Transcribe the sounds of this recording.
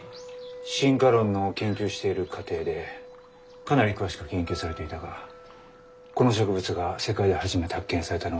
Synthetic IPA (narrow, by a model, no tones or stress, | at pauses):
ɕĩŋɡaɾõ̞nːo̞kẽ̞ŋkʲɨːɕi̥t̪e̞iɾɯ̟kʰat̪e̞ːd̪e̞ | kanaɾʲikɯ̟βaɕi̥kɯ̟kẽ̞ŋkʲɨːsaɾe̞t̪e̞it̪aɡa | ko̞no̞ɕ̬o̞kɯ̟bɯ̟t͡sɨɡase̞kaid̪e̞haʑimet̪ehakːẽɰ̃saɾe̞t̪ano